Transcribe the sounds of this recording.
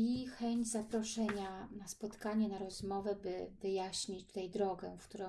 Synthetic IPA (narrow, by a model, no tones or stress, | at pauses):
ixɛɲd͡ʑzapɾɔʂɛɲanaspɔt̪kaɲɛnaɾɔzmɔvɛbɘvɘjaɕɲit͡ɕt̪u̥t̪ajd̪ɾɔɡɛfkt̪uɾɔ̃